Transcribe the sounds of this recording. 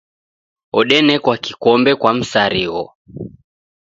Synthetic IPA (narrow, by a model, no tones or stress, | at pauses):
ɔɗɛnɛkwakikɔmbɛkwam̩saɾiɔ